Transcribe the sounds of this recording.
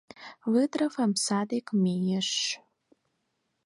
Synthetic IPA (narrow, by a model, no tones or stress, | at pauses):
lɨdrafamsadekʼmijɪʂ